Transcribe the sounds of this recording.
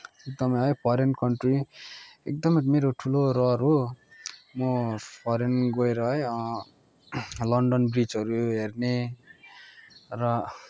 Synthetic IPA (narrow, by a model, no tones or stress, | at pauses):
ek̚d̪ʌmʌɦʌjpʰʌɾenkʌɳʈriek̚d̪ʌmʌmeɾoʈʰuloɾʌɾu | mopʰʌɾenɡoeɾʌɦʌjʌ̃ | lʌɳɖʌnbrid͡zʌɾuɦerne | rʌ